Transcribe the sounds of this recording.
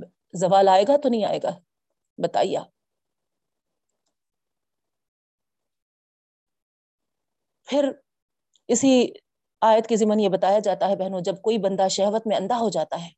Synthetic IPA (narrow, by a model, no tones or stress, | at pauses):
zɐʋaːlaːeːɡat̪onɐɦĩa̰ːḛːɡa | bɐt̪a̰ːḭja̰ː | pʰɪɾ | ɪsi | aːjət̪kizɪmənjebɐt̪aːjad͡ʒaːt̪aɦɛbɛɦnũd͡ʒɐb̚koːibɐ̃nd̪aʃɛɦʋət̪mẽɐ̃nd̪aɦod͡ʒaːt̪aɦɛː